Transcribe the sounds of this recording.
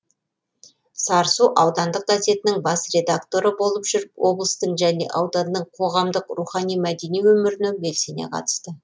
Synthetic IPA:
sɑɾsuʔɑwd̪ɑnd̪əq̚ɡ̪ɑze̞t̪ɪnɪŋbɑsre̞d̪akt̪o̞ɾəbo̞lˠəpʒ̥ʏɾɪpwo̞̰blˠəst̪əɴʒæne̞̰ʔɑwd̪ɑnːəɴqʰo̞ʁɑmd̪əqruχɑnijmæd̪e̞nijwɵmɪɾɪnɪbe̞lse̞nḛqʰɑ̰t̪ə̥st̪ə

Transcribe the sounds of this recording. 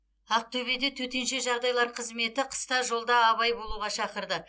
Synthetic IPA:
ɑq̚t̪ʰɵβe̞d̪e̞t̪ʰɵt̪e̞nʃe̞ʒɑɾd̪ɑjlˠɑɾqʰəzme̞t̪ɪqʰə̥st̪ɑʒo̞lˠd̪ɑːβɑjbo̞lˠuʁɑʃɑqəɾd̪ə

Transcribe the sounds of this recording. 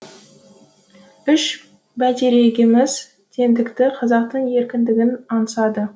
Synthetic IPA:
ʏʃ | bæt̪e̞ɾe̞ɡʲɪmɪz | t̪ʰe̞nd̪ɪkt̪ɪqʰɑzɑq̚t̪əɴe̞ɾkʲɪnd̪ɪɡʲɪnɑnəsɑd̪ə

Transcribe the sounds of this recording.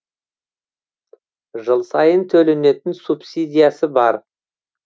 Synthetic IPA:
ʒəlˠsɑjənt̪ʰɵle̞ne̞t̪ɪnsupsid̪ʲijasəbɑɾ

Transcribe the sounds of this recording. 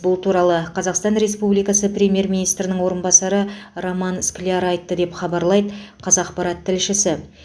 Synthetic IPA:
bʊlˠt̪ʰuɾɑlˠəqʰɑzɑqst̪ɑnɾe̞spublijkɑsəpɾʲe̞mje̞ɾmʲijnijst̪ɾɪnɪŋwo̞ɾənbɑsɑɾəɾomɑnsklʲiɑɾɑjt̪ːəd̪e̞pχɑbɑɾlˠɑjd̪əqʰɑzɑqpɑɾɑt̪ʰːɪlʃɪsɪ

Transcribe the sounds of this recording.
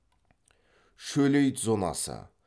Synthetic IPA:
ʃɵlejt̪zo̞nɑ̰sə̰

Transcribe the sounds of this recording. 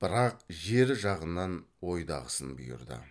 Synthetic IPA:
b̥ɪɾɑq̚ʒe̞ɾʒɑʁənːɑnwo̞jd̪ɑ̰ʁəsənbʊ̰jʊ̰ɾd̪ɪ̰

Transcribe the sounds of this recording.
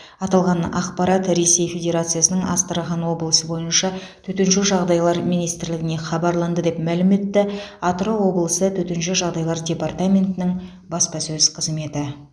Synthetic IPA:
ɑt̪ɑlˠʁɑnɑ̰qpɑɾɑt̪ɾe̞se̞jfʲe̞dʲe̞ɾat̪sɨjasənəɴɑ̰st̪əɾəʁɑnwo̞blˠəsəbo̞jənʃɑt̪ʰɵt̪enʃɪʒɑʁd̪ɑjlˠɑɾmijnijst̪ɪɾlɪɡʲɪne̞χɑbɑɾlˠɑnd̪əd̪e̞pmælɪme̞t̪ːɪɑt̪ɾowo̞blˠəsət̪ʰɵt̪enʃɪʒɑʁd̪ɑjlˠɑɾdʲe̞part̪amʲe̞nt̪ɪnɪŋ | bɑspɑsɵz̥qʰəzme̞t̪ɪ

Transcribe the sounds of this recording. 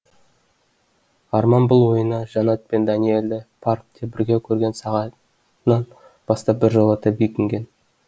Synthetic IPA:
ɑɾmɑnbʊlˠwo̞jənɑʒɑnɑt̪̚pe̞nd̪ɑnie̞ld̪ɪpʰark̚t̪ʰe̞bɪɾɡʲe̞kʲʰɵɾɡʲe̞nsɑʁɑ | nɑn | b̥ɑst̪ɑp̚bɪɾʒolˠət̪ʰɑpbijkʲɪŋɡʲe̞n

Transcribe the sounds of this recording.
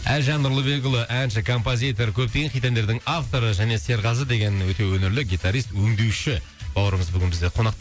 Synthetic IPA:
ælʒɑnːʊɾlˠəbe̞ɡʊlˠəʔænʃɪkʰo̞mpozʲijt̪o̞ɾkʲʰɵp̚t̪e̞ɡʲenijt̪end̪e̞ɾd̪ɪŋaft̪o̞ɾəʒæne̞se̞ɾʁɑzəd̪e̞ɡʲe̞nwɵt̪e̞wɵnɪɾlɪɡʲijt̪aɾijst̪wɵŋd̪e̞wʃɪ | b̥ɑw̪ˠɾəməzbʏɡʲɪnbɪzd̪eqʰo̞nɑqt̪ɑ

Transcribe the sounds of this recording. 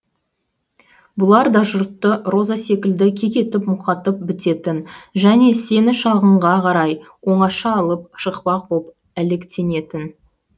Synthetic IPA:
bʊlˠɑɾd̪ɑʒʊɾt̪ːəro̞zase̞kʲɪld̪ɪkʲʰe̞kʲe̞t̪ɪpmʊqɑt̪əp̚bɪt̪e̞t̪ɪnʒæne̞se̞nɪʃɑlˠʁəɴʁɑqʰɑɾɑj | wo̞ɴɑʃɑːlˠəp̚ʃəqpɑq̚bop | æle̞kt̪e̞ne̞t̪ɪn

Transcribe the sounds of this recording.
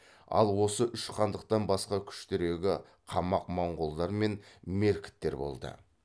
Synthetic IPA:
ɑ̰lˠwo̞səʔʏʃqʰɑnd̪əq̚t̪ɑnbɑsqɑkʲʰʏ̥ʃt̪eɾe̞ɡʲɪ | qʰɑmɑqmɑɴʁolˠd̪ɑɾme̞nme̞ɾkʲɪ̥t̪ːe̞̰ɾbo̞̰lˠd̪ə̰

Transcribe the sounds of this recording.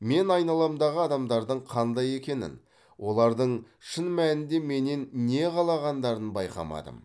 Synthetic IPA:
me̞nɑjnɑlˠɑmd̪ɑʁəɑd̪ɑmd̪ɑɾd̪əɴqʰɑnd̪ɑje̞kʲe̞nɪ̰n | wo̞lˠɑɾd̪əɴ | ʃənmænɪnd̪e̞me̞nenːe̞ʁɑlˠɑʁɑnd̪ɑɾənbɑjqɑ̰mɑ̰d̪ə̰m

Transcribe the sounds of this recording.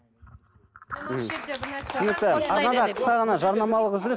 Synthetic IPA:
t̪ʰʏ̥sʏnɪk̚t̪ɪɑɾnɑnd̪ɑqʰə̥st̪ɑʁɑnɑʒɑɾnɑmɑlˠəqʊzɪɾe

